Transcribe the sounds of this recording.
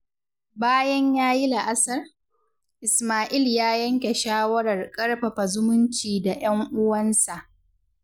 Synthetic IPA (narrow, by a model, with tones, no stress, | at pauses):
baː˦jɐ˦ɲjaː˦ji˦la˨ʔa˦sɐ˦r | ʔɪ˨smaː˨ʔɪ˦ljaː˦jɐ˦ŋkʲe˨ʃaː˦wɐ˦ɾɐ˨rkʼɐ˦ɽɸɐ˨ɸa˨zʊ˦mʊ˦nt͡ʃiː˨da˨j̰ɐ˦ŋʔʊ˦wɐ˦nsa˨ʔ